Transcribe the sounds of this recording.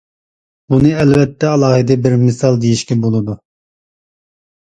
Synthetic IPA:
bunɨɛlvɛt̪ʰːɛɑlˠɑːhɨd̪ɛbɪɾmɪsɑlˠd̪ejiʃkʲɛbolˠɨd̪u

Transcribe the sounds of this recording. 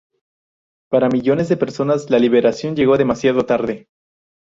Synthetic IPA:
paɾamiʝo̞ne̞zðepe̞ɾso̞nazlaliβe̞ɾasjo̞nʝe̞ɣo̞ðe̞masjaðo̞t̪aɾðe̞

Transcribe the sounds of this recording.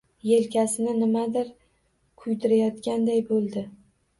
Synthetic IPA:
je̞lkʲasɪnɪnɪmad̪ɪɾ | kʰʊjt̪ɪɾajɒt̪kʲand̪ajbolˠd̪ɪ

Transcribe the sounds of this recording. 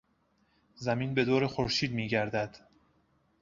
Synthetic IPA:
zæmiːnbe̞d̪oːɾexoɾʃiːd̪miːɟæɾd̪æd̪̥

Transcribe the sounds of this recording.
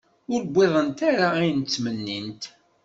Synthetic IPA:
ʊɾbʷːɪðˤənt̪aɾaæjənt͡sːmənːint̪

